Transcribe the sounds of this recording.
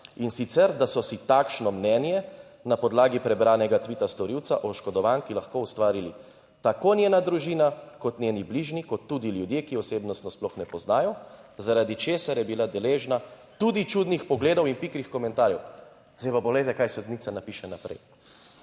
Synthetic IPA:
insit̪sɛɾd̪asɔsit̪aːkʃnɔmnɛːnjɛ | napɔd̪laːɡipɾɛbɾaːnɛɡat̪ʋit̪ast̪ɔɾiwt̪sa̰ʔɔʃkɔd̪ɔʋaːnkilaxkoust̪ʋaːɾili | t̪akonjɛnad̪ɾuʒiːnakɔt̪nʲeːnibliʒnikɔt̪ːud̪iljud̪jekiɔseːbnɔst̪nɔsplɔxnɛpɔznaːjɔzaɾad̪it͡ʃeːsaɾjɛbilad̪ɛleːʒna | t̪ud̪it͡ʃuːd̪nixpɔɡleːd̪ɔwinpikɾixkɔmɛnt̪aːɾjɛw | zjpapɔlɛjt̪ɛkajsud̪nit̪sanapiʃɛnapɾɛ̰j

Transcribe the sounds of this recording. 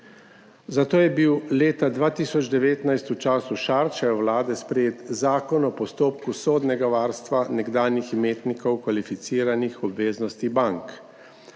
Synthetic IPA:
zat̪oːjɛbiwleːt̪ad̪ʋaːt̪iːsɔd͡ʒd̪ɛʋeːt̪najst̪ut͡ʃaːsuʃaːɾt͡ʃɛjɔwlaːd̪ɛspɾɛjeːt̪zaːkɔnɔpɔst̪oːp̚kusoːd̪nɛɡaʋaːɾst̪ʋanɛɡd̪aːnjixmeːt̪nikɔwkʋalifit̪siːɾanixɔbʋeːznɔst̪ibaŋk

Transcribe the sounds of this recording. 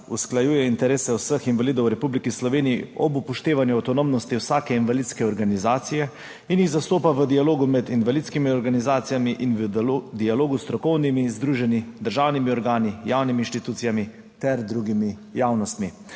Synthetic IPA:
usklajuːjɛint̪ɛɾeːsɛwsəxinʋaliːd̪ɔwɾɛpublikislɔʋeːniːɔbupɔʃt̪eːʋanjuawt̪ɔnomnɔst̪iwsaːkɛinʋalit̪skɛɔɾɡanizaːt̪sijɛ | injiɣzast̪oːpaʋəd̪ialoːɡumɛd̪inʋalit̪skimiɔɾɡanizaːt̪sijamiʔinʋd̪ijaloːɡust̪ɾɔkɔwnimizd̪ɾuːʒɛnid̪əɾʒaːwnimiɔɾɡaːnijawniminʃt̪it̪uːt̪sijami | t̪ɛɾd̪ɾuɡimi | jaːwnɔst̪mi

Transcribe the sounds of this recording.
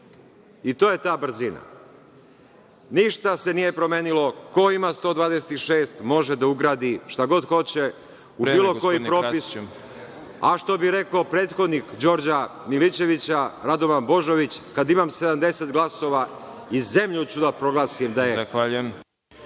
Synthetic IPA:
it̪oːje̞t̪aːbr̩zina̰ | niʃt̪ase̞nije̞pɾo̞me̞ːnilo̞ko̞imast̪o̞ːd̪ʋaːd̪eset̪iʃe̞ːst̪mo̞ʒed̪auɡɾaːd̪iʃt̪aɡo̞d̪xo̞t͡ɕe̞ | ubiːlˠo̞ko̞jiippɾo̞pis | aʃt̪o̞biɾe̞kopɾeːt̪xo̞d̪nikd͡ʑo̞ɾd͡ʑamilit͡ɕe̞ʋit͡ɕaɾad̪oʋanbo̞ʒo̞ʋit͡ɕkad̪imamse̞d̪amd̪e̞set̪ɡlˠaso̞ʋa | ize̞mʎut͡ɕud̪apɾo̞ɡlˠaːsimd̪ajexaʎujem

